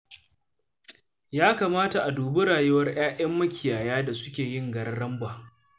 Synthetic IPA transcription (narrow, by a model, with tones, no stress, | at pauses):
jaː˦kaː˨maː˦ta˨ʔa˨duː˨bʊ˦ɽaː˨jʊ˦wɐ˦rʔaː˦ʔɐ˦mːɐ˦kʲɪ˨jaː˨jaː˦da˨sʊ˦kʲeː˨jɪ˦˨ŋɡɐ˨ɾɐ˦ɽɐ˦mbaː˨